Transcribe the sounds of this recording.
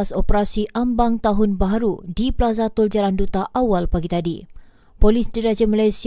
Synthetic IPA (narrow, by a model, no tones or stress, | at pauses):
asopəɾasiʔambaŋt̪aɦʊnbaɦaɾudipəlazat̪ʊld͡ʒalandut̪aʔawalpaɡit̪adi | polisdiɾad͡ʒəmalajsi